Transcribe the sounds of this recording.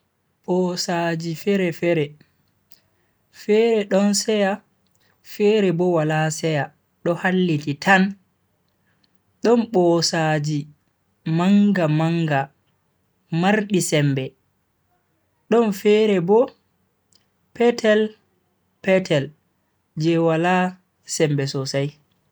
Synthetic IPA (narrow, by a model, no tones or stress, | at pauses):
ɓɔsad͡ʒifɛɾɛfɛɾɛ | fɛɾɛɗɔnsɛja | fɛɾɛbɔwalasɛja | ɗɔhalːititʰan | ɗɔnɓɔsad͡ʒi | maŋɡamaŋɡa | maɾɗisɛmbɛ | ɗɔnfɛɾɛbɔ | pɛtʰɛl | pɛtʰɛl | d͡ʒɛwala | sɛmbɛsɔsaj